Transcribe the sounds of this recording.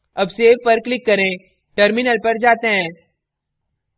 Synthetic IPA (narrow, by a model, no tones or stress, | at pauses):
ɐbseʋpɐɾklɪkːɐɾẽː | ʈəɾmɪnəlpɐɾd͡ʒaːt̪eɦɛ̃ː